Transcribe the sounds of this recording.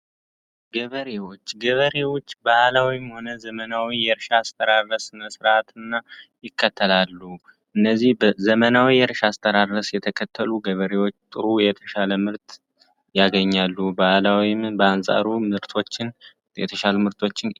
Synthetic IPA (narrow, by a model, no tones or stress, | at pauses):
ɡəβəɾewo̞t͡ʃːɡəβəɾewot͡ʃːbaʔlawimho̞nəzəmənawijɛɾʃaːst̪ʰʼəɾarːəsɨnəsɨɾat̪ɨnːajɪkʰːət̪ʰːəlalːu | ʔɨnːəzːihbzəmənawijɛɾʃaːst̪ʼʰəɾarːəsjɛt̪ʰəkʰət̪ʰːəluɡəβəɾewo̞t͡ʃːt̪ʼɨɾujɛt̪ʰəʃaləmɨɾt̪ʼ | jaɡəɲːalːubaʔlawimbəansʼa̰ɾumɨɾt̪ʰo̞t͡ʃːɪn | jɛt̪ʰəʃalumɨɾt̪ʼʰo̞t͡ʃːɪn